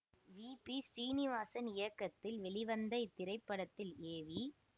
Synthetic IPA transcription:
ʋiːpisɾiːnɪʋaːsɐnɪjɐkːɐt̪ːɪlʋɛɭɪʋɐnd̪ɐɪt̪ːɪɾɐɪpːɐɽɐt̪ːɪleːʋi

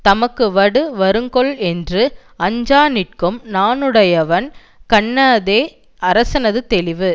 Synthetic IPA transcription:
t̪ɐmɐkːɯʋɐɽɯʋɐɾɯŋɡɔɭɛndrɯ | ɐɲd͡ʒaːnɪʈ̚kɯmnaːnɯɽɐjɐʋɐn | kɐɳːaðeː | ɐɾɐsɐnɐðɯt̪ɛlɪʋɯ

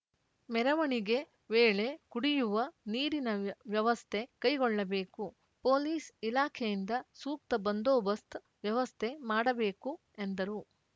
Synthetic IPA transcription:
mɛɾɐʋɐɳiɡe̞ | ʋeːɭe̞kuɽijuʋɐniːɾinɐʋjɐʋɐst̪ʰe̞kɐjɡɔɭːɐbe̞ːku | poːliːsilaːkʰejind̪ɐsuːk̚t̪ɐbɐnd̪oːbɐst̪ʰ | ʋjɐʋɐst̪ʰe̞maːɽɐbeːku | end̪ɐɾu

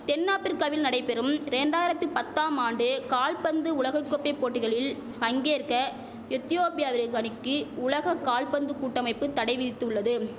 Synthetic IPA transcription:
t̪ɛnːaːpːɪɾkɐʋɪlnɐɽɐɪpɛɾɯmɾɛɳɖaːjɪɾɐt̪ːɯpɐt̪ːaːmaːɳɖɯkaːlpɐnd̪ɯʊɭɐɣɐkːɔpːɐɪpːoːʈːɪɣɐɭɪl | pɐŋɡeːɾkɐ | ɪt̪ːɪjoːpɪjaːʋɪɾɣanɪkːɯʊɭɐɣɐkaːlpɐnd̪ɯkuːʈːɐmɐɪpːɯt̪ːɐɽɐɪʋɪðɪt̪ːɯɯɭːɐðɯ

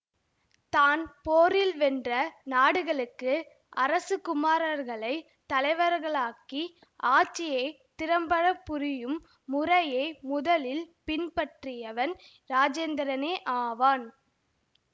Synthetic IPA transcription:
t̪aːnpoːɾɪlʋɛndrɐnaːɽɯɣɐɭɯkːɯ | ʔɐɾɐsɯkʊmaːɾɐɾɣɐɭɐɪ | t̪ɐlɐɪʋɐɾɣɐɭaːki | ʔaːt͡ʃːɪjeː | t̪ɪɾɐmbɐɾɐpːʊɾɪjɯmː | ʊɾɐjeːmʊðɐlɪlpɪnpɐʈrɪjɐʋɐn | ɾaːd͡ʒeːnd̪ɐɾɐneːʔaːʋaːn

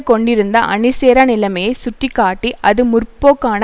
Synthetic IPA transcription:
kɔɳɖɪɾɯnd̪ɐʔɐ̰nɪseːɾɐnɪlɐmɐjɐsʊʈrikːaːʈːiʔɐðɯmʊrpːoːkaːnɐ

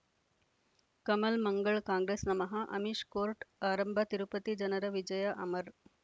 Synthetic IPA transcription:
kɐmɐlmɐŋɡɐɭkãːŋɡɾeːsnɐmɐɦɐʔɐ̰miʂkoːɾʈaːɾɐmbʱɐt̪iɾupɐt̪id͡ʒɐnɐɾɐʋid͡ʒɐjɐʔɐmɐɾ

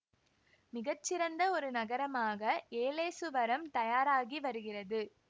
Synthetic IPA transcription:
mɪɣɐt͡ʃːɪɾɐnd̪ɐɔɾɯnɐɣɐɾɐmaːɣɐeːleːsɯʋɐɾɐmt̪ɐjaːɾaːɣiʋɐɾɯɣɪrɐðɯ

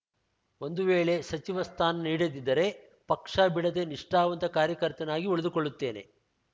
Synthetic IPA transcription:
o̞nd̪uʋeːɭe̞sɐt͡ʃiʋɐst̪ʰaːnɐniːɽɐd̪id̪ːɐɾe̞ | pɐkʂabiɽɐd̪eniʂʈaːʋɐnt̪ɐkaːɾjɐkɐɾt̪ɐnaːɡiuɭed̪ukoɭːut̪ːe̞ːne̞̰

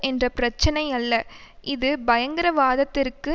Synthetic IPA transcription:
ɛndrɐpɪɾɐt͡ʃːɐnɐɪɐlːɐʔɪðɯbɐjɐŋɡɪɾɐʋaːðɐt̪ːɪrkɯ

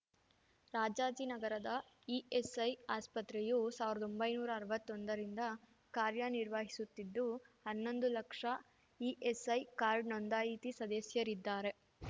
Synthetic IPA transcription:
ɾaːd͡ʒaːd͡ʒinɐɡɐɾɐd̪ɐ | iesɐjaːspɐt̪ɾɛjusaːʋiɾɐd̪ombɐjnuːɾɐːɾʋɐt̪ːond̪ɐɾind̪ɐ | kaːɾjɐniɾʋaːɦisut̪ːid̪ːuhɐnːo̞nd̪ulɐkʂɐ | iːʔesɐjkaːɾɖnond̪aːjiːt̪isɐd̪ɛsjɐɾid̪ːaːɾe̞

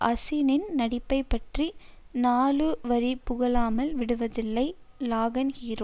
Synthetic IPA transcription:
ʔɐsɪnɪnnɐɽɪpːɐɪpːɐʈri | naːlɯʋɐɾipʊɣɐɭaːmɐlʋɪɽɯʋɐðɪlːɐɪ | laːɣɐnɣiːrɯm

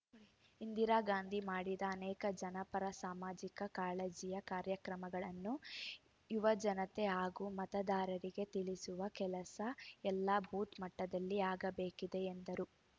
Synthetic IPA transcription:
ind̪iɾaːɡaːnd̪ʱimaːɽid̪ɐːnɛːkɐd͡ʒɐnɐpɐɾɐsaːmaːd͡ʒikɐkaːɭed͡ʒijɐkaːɾjɐkɾɐmɐɡɐɭɐnːu | juʋɐd͡ʒɐnɐt̪eaːɡumɐt̪ɐd̪aːɾɐɾiɡe̞t̪iɭisuʋɐkɛlɐsɐɛlːabʱuːt̪mɐʈːɐd̪ɐlːiaːɡɐbe̞ːkid̪e̞ːnd̪ɐɾu

